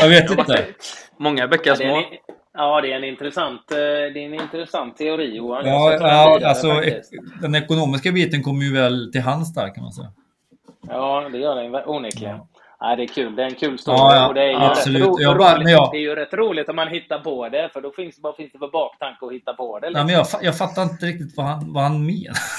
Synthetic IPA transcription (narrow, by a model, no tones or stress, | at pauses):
jɑːveːt̪ɪnəmɔŋːavɛkːəʂmoː | jɑːd̪ɛɛnɪnt̪ɾɛsant̪d̪ɛnɪnt̪ɾɛsant̪ʰːɛʊɾiːuːaɑːalsɔd̪ɛnɛkʊnoːmɪskabiːt̪ənkʰɔmːəɾjʉvɛlt̪ɪlɦansd̪æ̰ːɾkʰanma̰nsɛ̰jːa | jɑːd̪ɛjœːajvʔuːnɛlɪɡ | æ̰ɪd̪ɛkʰʉ̟ːld̪ɛːɾɛnkʰʉ̟ːlst̪ɑːɔd̪ɛjabsɔlʉːtːjːmɛnjɑːdɛjəɾɛt̪ːɾuːlɪɡt̪ɔmhanɦɪt̪ːaɾpʰɔd̪ɛfœɖɔfɪnsdbfɪnsd̪ɛfɔbɑːkt̪ʰaŋkəɔhɪt̪ːapʰɔd̪ɛlɪmɛnjɑːfajɑːɡfat̪ːaɾɪnt̪əɾɪk̚t̪ɪt̪vahanvahanmeːna